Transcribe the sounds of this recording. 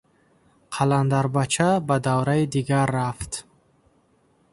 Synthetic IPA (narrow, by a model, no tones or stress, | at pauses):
qʰaland̪aɾbat͡ʃʰabad̪avɾaid̪iɡaɾːaft̪